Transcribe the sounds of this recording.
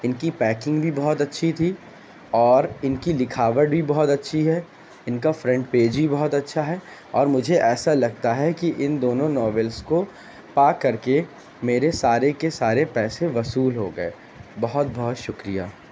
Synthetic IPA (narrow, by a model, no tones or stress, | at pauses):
ɪnkipɛːkɪ̃ŋɡbʱibɔɦʊt̪ɐtːʃʰit̪ʰi | ɔːɾɪnkilɪkʰaːʋəʈ̚bʱibɔɦɔt̪ɐtːʃʰiɦɛ | ɪnkafɾɛ̃ɳʈpeːd͡ʒbʱibɔɦʊt̪ɐtːʃʰaɦɛ | ɔːɾmʊd͡ʒʱeʔɛːsalɐɡ̚t̪aɦɛkiʔɪnd̪oːnõnɔːʋɛlsko | paːkːɐɾke | meːɾesaːɾekesaːɾepɛːseʋɐsuːlɦoɡɐḛː | bɐɦʊt̪̚bɔɦɔt̪ʃʊkɾija̰ː